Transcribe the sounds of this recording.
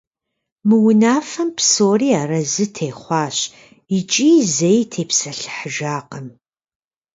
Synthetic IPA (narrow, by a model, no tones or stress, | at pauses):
mɨwʊnaːfɐmpsoːriːaːɾɐzɨtʰeːχʷɑːɕ | ɪt͡ʃʼiːzejtʰeːpsɐɬħəʒaːqɐm